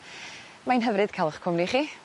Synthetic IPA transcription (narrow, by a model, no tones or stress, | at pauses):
majnɦəvɾɨd̥̚kʰalˠχkʰʊmniχiː